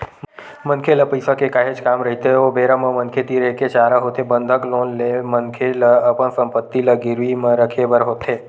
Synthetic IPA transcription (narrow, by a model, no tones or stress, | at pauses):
mə̃nkʰeləpəjsakekaːɦet͡ʃkaːmɾɐɦit̪eobeːɾaməmənkʰet̪iɾeːket͡ʃaːɾaɦoːt̪ebə̃nd̪ʱəkloːnlemɐnkʰelɐəpənsə̃mpət̪ːilɐɡɪɾʋimə̃ɾəkʰebəɾɦoːt̪eː